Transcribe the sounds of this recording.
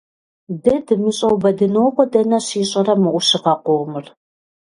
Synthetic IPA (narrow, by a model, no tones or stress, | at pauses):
dɐdɨmɨɕʼɐwbɐdɨnowqʷɔdɐnɐɕiːɕʼɐrɐmɨʔʷʊɕɪqɐqʷoʁmɨr